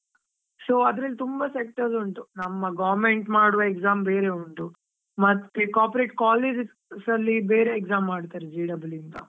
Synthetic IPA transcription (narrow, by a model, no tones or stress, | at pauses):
soːɐd̪ɾɐlːit̪umbɐsek̚ʈɐɾsuɳʈ̪unɐmːɐɡaːʋɐɾmeɳʈmaːɽuʋɐekzaːmbeːɾe̞uɳt̪u | mɐt̪ːekaːpɾeʈkaːleːd͡ʒ | sɐlːibe̞ːɾeːkzaːmːaːɽt̪aːɾed͡ʒiːɖɐblint̪ɐ̰